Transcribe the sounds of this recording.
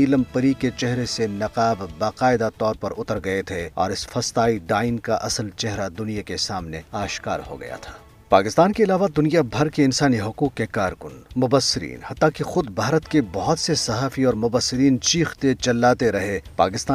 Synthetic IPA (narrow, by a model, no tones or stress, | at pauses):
iːləmpɐɾiket͡ʃɛɦɾesenɐqaːbbaːqaːɪd̪at̪ɔːɾpɐɾʊt̪əɾɡɐet̪ʰeɔ̰ːɾɪsfɐst̪aːiɖaːɪnkaʔɐsəlt͡ʃɛɦɾad̪ʊnijakesaːmneaːʃka̰ːɾho̰ɡɐ̰ja̰t̪ʰḁː | paːkɪst̪aːnkeɪlaːʋad̪ʊnijabʱɐɾkeɪnsaːniɦʊquːqːekaːɾkʊnmʊbəsːɪɾḭːnhɐt̪ːãkixʊd̪bʱaːɾət̪kebɔɦʊt̪sesɐɦaːfiɔːɾmʊbəsːɪɾiːnt͡ʃiːxt̪et͡ʃɐlːaːt̪eɾɐɦepa̰ːkɪst̪aː